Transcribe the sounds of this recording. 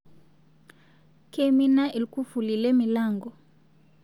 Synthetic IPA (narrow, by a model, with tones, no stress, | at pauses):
ke˦mi˦na˦ʔi˨lku˦fu˨li˨lɛ˦mi˨la˦˨ŋɡɔ˨